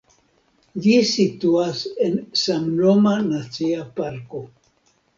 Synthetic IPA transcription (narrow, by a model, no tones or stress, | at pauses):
d͡ʒisituase̞nsamnomanat͡siapaɾko̞